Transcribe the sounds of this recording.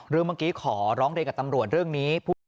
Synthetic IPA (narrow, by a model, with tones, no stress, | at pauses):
ɾɯː˧˩maː˧˩kiː˦˥kʰɔː˩˦ɾɔː˦˥ŋɾi˧nka˨˩t̪a˧mɾu˨˩ət̪̚ɾɯ˥˩əŋniː˦˥pʰuː˥˩